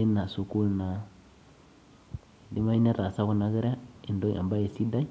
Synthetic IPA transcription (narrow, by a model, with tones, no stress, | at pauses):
e˦na˨su˨ku˦lna˨ | di˦ma˦i˦na˦ɾa˨sa˦ku˦na˦ɣi˦ɾa˦i˨ndo˦ŋa̰˨mba˦e˨si˦da˦